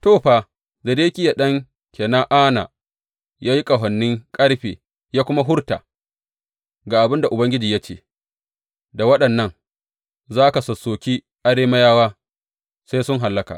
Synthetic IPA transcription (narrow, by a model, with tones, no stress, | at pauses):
toː˦˨ɸaː˨ | zɐ˨deː˦kʲɪ˦ja˨ɗɐ˦ŋ | kʲeː˨na˦ʔaː˦na̰ː˨ | jaː˦ji˦kʼɐ˨ɦɐ˨nːɪ˦ŋkʼɐ˦ɽɸeː˨ | jaː˦kʷʊ˦ma˦ɦʊ˦ɽta̰ː˨ | ɡa˨ʔa˨bɪ˦nda˨ʔʊ˨bɐ˦ŋɡʲɪ˦d͡ʒiː˨ja˦t͡ʃḛː˦˨ | da˨wɐ˦ɗɐ˨nːɐ˦ŋ | zaː˦ka˨sɐ˨sːoː˨kʲiː˦ | ʔa˨ɽeː˦mɐ˦jaː˦waː˦ | sa˦sʊ˦ŋɦa˨lːɐ˦ka̰˨